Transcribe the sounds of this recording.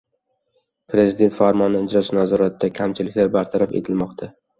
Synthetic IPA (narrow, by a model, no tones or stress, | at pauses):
pɾe̞zɪd̪e̞nt̪faɾmɒnɪɪd͡ʒɾɒsɪnazɒɾat̪d̪akʲʰamt͡ʃʰɪlɪkʲlaɾbaɾt̪ʰaɾafe̞̰t̪ʰɪlmɒqt̪ʰa